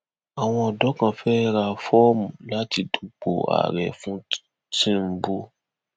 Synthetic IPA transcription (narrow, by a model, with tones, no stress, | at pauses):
a˨w̃ɔ̃˧ɔ˨dɔ˨˦kã˧fɛ˦ɾa˧fɔ˦mũ˨la˨˦ti˧du˨k͡po̰˨a̰˨ɾɛ˨fũ˦ | tĩ˦m̩˦bu˦